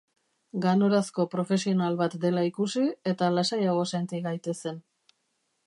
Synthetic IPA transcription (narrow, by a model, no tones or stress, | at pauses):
ɡano̞ɾasko̞pɾo̞fe̞sio̞nalβat̪d̪e̞laikusie̞t̪alasajaɣ̞o̞sant̪iɣajt̪e̞se̞n